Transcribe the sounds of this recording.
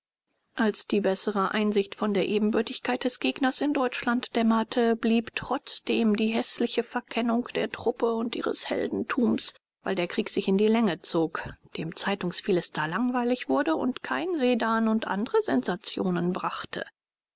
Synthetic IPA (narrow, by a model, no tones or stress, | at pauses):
ʔalsd̥iːbɛsəʁəʔaɪnzɪçtfɔndeːɐʔeːbm̩bʏɐtɪçkʰaɪt̚d̥ɛsɡ̥eːɡnɐsɪndɔʏt͡ʃlantd̥ɛmɐtʰəbliːptʁ̥ɔt͡sd̥eːmdiːɦɛslɪçəfɛɐkʰɛnʊŋkd̥eːɐtʁ̥ʊpəʊntʔḭːʁə̰shɛ̰ldn̩tʰuːms | vaɪldeːɐkʁ̥iːkz̥ɪçɪndiːlɛŋət͡soːkd̥eːmt͡saɪtʊŋsfilɪsd̥alaŋvaɪlɪçv̥ʊɐdəʊ̰ntkʰaɪnzeːdaːnʊntʔa̰ndəʁəzɛnzat͡sjoːnənbʁaχtʰə̰